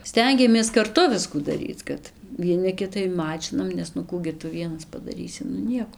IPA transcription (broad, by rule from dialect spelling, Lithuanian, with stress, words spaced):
ˈsʲtʲɛŋʲɡʲɛmʲeːs kɐrˈtʊ ˈʋʲɪskuː dɐˈrʲiːt͡s ˈkɐt ʋʲiɛˈnɐ ˈkʲɪtɐɪ ˈmɑːt͡ʃʲɪnɐm nʲɛs nʊ ˈkuː ɡʲɪ ˈtʊ ˈʋʲiɛnɐs pɐdɐˈrʲiːsʲɪ ˈnʊ ˈnʲiɛkoː